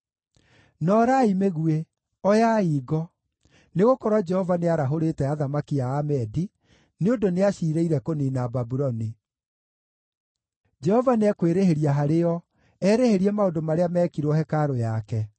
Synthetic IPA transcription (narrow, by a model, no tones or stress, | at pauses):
nɔːɾaimeɣue | ɔjaiːɣɔ | neɣokɔɾwad͡ʒɛhɔvaneaɾaɦoɾetɛaðamakiaːmɛdi | neondoneaɕiːɾeiɾɛkoniːnababuɾɔni | d͡ʒɛhɔvaneakweɾeɦeɾiaɦaɾeɔ | ɛːɾeheɾiɛmaodomaɾeamɛːkiɾwɔhɛkaɾojakɛ